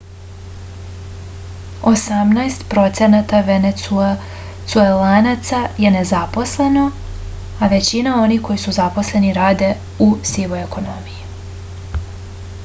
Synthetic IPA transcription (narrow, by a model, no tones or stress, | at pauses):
o̞samnajst̪pɾo̞t̪se̞nat̪aʋene | t̪suelanat̪saje̞nezapo̞sle̞no̞ | aʋe̞t͡ɕinao̞nihko̞jisuzapo̞sle̞niɾaːd̪e̞ | usiʋojekʰo̞no̞miji